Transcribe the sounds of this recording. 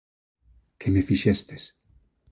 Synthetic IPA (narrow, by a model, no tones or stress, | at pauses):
kʰemefiʃest̪es